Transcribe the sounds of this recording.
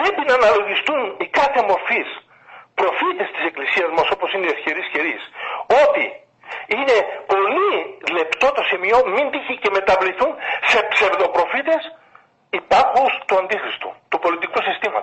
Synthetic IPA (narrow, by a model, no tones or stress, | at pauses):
pɾe̞pinɐːnɐlo̞ʝist̪unikɐθe̞mo̞ɾfis | pɾo̞fit̪e̞st̪i̥se̞klisiɐzmɐso̞po̞sineefçe̞ɾisçe̞ɾiso̞t̪i | ine̞po̞lile̞pt̪o̞t̪o̞simio̞mind̪içece̞me̞t̪ɐvliθunse̞pse̞ɾðo̞pɾo̞fit̪e̞s | ipɐɾxust̪uɐnd̪ixɾist̪ṵt̪upo̞lit̪ikusist̪imɐ̰u